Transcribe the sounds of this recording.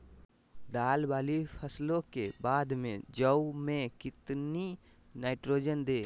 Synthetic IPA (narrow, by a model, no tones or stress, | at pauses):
d̪aːlbaːlipʰəslõkebaːd̪mḛ̃d͡ʒəumẽkɪt̪ni | naːɪʈɾoːd͡ʒənd̪eː